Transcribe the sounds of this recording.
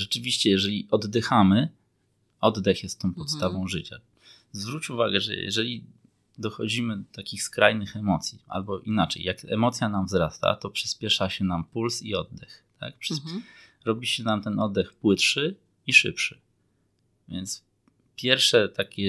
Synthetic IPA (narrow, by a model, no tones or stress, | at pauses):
ʐɛt͡ʂɘvʲiɕt͡ɕɛjɛʐɛlʲiʔɔd̪ːɛxamɘ | ɔd̪d̪ɛxjɛst̪ːɔ̃w̃pɔt̪st̪avɔ̃w̃ʐɘt͡ɕa̰ | zvɾut͡ɕuvaɡɛʐɛ̰jɛ̰ʐɛlʲi | d̪ɔxɔd͡ʑimɘd̪ɔt̪akʲixskɾajnɘxɛmɔt̪sʲjia̰lbɔʔinat͡ʂɛ̰jjakɛmɔt̪sʲjanamvzɾast̪a̰t̪ɔpʂɘspʲjɛʂaɕɛnampulsiɔd̪̚d̪ɛxt̪ʰa̰k̚pʂ | ɾɔbʲiɕɛnamt̪ɛnɔd̪d̪ːɛxpwɘt̪ʂɘ | iʂɘ̰pʂɘ̥ | vʲjɛnt̪s | pʲjɛɾfʂɛt̪akʲɛ